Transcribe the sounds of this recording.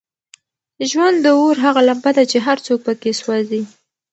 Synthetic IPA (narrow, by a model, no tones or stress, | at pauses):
ʒwand̪ːəoɾɦaɣalambad̪at͡ʃeɦaɾt͡sok̚pəkeswazi